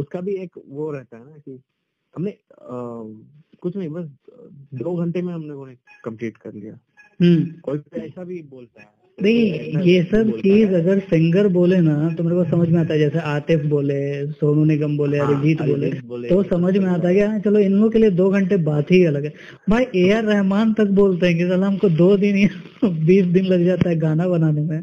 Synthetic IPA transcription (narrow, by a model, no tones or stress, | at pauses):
ʊskabʱieːkʋoɾɛɦt̪aɦɛnaki | ɦɐmne | kʊt͡ʃʰnɐ̃ɦĩbɐsd̪oːɡʱɐ̃ɳʈemẽɦɐmnekoːnẽ | kɐ̃mpliːʈkɐɾlḭja̰ː | ɦəkoːiɛːsabʱiboːlt̪aɦɛ | nɐɦĩjesɐbt͡ʃiːzɐɡəɾsɪ̃ŋɡəɾboːlenat̪omaːɾepaːsɐməd͡ʒʱmẽaːt̪aɦɛd͡ʒɛːseaːɾʈ̪epʰboːlesoːnũnɪɡəmboːleaɾed͡ʒiːt̪boːlẽoʋosɐməd͡ʒʱmẽaːt̪̬aɦɛkjat͡ʃɐloɪnlõkelied̪oːɡʱɐ̃ɳʈebaːt̪ɦiɐləɡɦɛ | maːiʔeːaɾːɛɦmaːnt̪ɐk̚boːlt̪eɦɛ̃k̬it̪ɐlaɦɐmkod̪oːd̪ɪnia | biːsd̪ɪnlɐɡd͡ʒaːt̪aɦɛɡaːnabɐnaːnemẽ